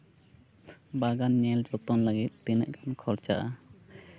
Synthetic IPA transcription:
baɡanɲɛld͡ʒɔt̪ɔnləɡit̪̚t̪inəʔɡankʰɔɾt͡ʃaʔa

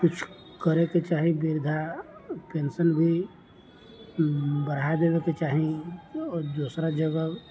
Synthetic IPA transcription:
kʊt͡ʃʰ | kəɾeket͡ʃaːɦĩbɪɾd̪ʱapeːnsənbʱi | bəɾad̪eːʋeket͡ʃaːɦĩɔɾd̪uːsɾad͡ʒəɡəb

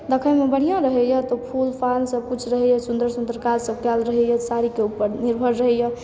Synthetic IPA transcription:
d̪əkʰəmebəɽ̤ijãɾəɦɛjət̪ɔpʰulpʰansəb̚kut͡ʃʰɾəɦɛjəsund̪ɾəɾsũnd̪əɾkaɾsəb̚kɛlɾəɦɛjəsaɾikeupːəɾniɾbʱəɾɾəɦɛjə

